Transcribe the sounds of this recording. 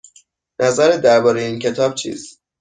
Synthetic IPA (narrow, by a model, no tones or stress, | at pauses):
nʔæzæɾed̪æɾbɒːɾejeiːncʰe̞t̪ʰɒːb̥̚t͡ʃʰḭːz